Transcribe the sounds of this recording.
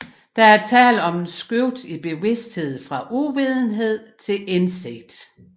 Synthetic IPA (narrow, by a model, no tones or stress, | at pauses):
d̥ɑ̈æɐt͡sʰɛ̰ːlɒ̽mensɡ̥øʊ̰d̥ib̥e̝ʋe̝sd̥he̝ð̰ˠfʁɑ̈ʔuʋið̞ˠn̩ɦe̝ð̞̰ˠt͡sʰe̝lenseɡ̥d̥